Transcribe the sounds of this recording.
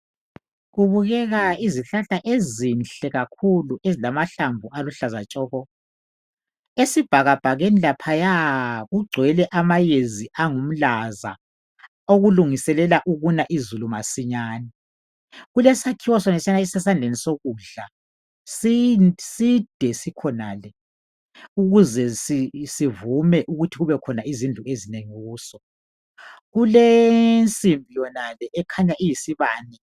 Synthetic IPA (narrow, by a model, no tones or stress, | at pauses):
ɣuβuɣɛɣaiziɬaɬaʔezinɬɛɣakʰuluʔezilamaɬambʱuʔaluɬazat͡ʃʼɔːɣɔ | esib̥ʱaɣab̥ʱaɣenilapʰajaɣuɡ͡ǀʱwɛlɛʔamajeziʔaŋum̩laza̰ | oɣuluŋisɛlɛlaʔuɣunaʔizulumasiɲaːnɛ | ɣulɛsakʰiwɔsɔnɛsianaɛsɛsand͡ɮʱenisoɣuɮa | sisid̥ʱɛsikʰɔnaːlɛ | uɣuzɛsisivumɛʔuɣutʰiɣuβɛkʰɔnaʔizind͡ɮʱuezineŋiɣuːsɔ | ɣulɛnt͡sʼimbʱijɔnalɛːkʰaɲaʔijisiβaːnɛ